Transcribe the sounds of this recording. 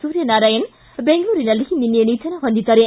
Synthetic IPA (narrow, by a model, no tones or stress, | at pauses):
suːɾjɐnaːɾaːjɐn | beŋɡɐɭuːɾinɐlːihininːjɐniːt͡ʃ̪ɐnɐɦond̪it̪ɐɾe